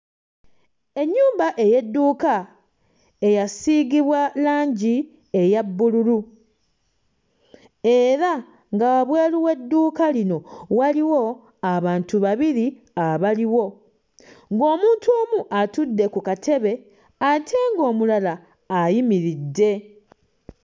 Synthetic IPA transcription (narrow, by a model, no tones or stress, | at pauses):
e̞ɲːuːmbaʔe̞je̞dːuːka | e̞jasiɡiβwalaːɲɟi | e̞jabːululu | e̞ɾa | ŋɡawaβwe̞ːliwe̞dːuːkalino̞waliwo̞ | aβaːntuβaβiɾi | aβaliwo̞ | ŋɡo̞ːmuːntʰuoːmuʔatudːe̞kukatʰe̞βe̞ | atʰe̞ːŋɡo̞ːmulalaː | jimiɾidːe̞